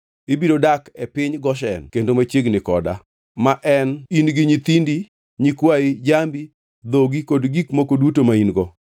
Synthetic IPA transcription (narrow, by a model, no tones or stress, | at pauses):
ɪbiɾodakɛpɪɲɡɔʃɛnkendomat͡ʃjeɡnɪkɔ̰da̰ | maʔɛninɡiɲit̪indi | ɲikwaɪd͡ʒambi | d̪oɡikodɡikmokodutomainɡɔ